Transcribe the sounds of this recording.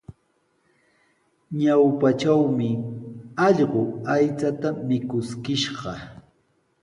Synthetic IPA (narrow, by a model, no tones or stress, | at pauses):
ɲawpaʈ͡ʂawmɪ | ɑʎɢʊajt͡sat̪amɪkʊskɪʃɢɑ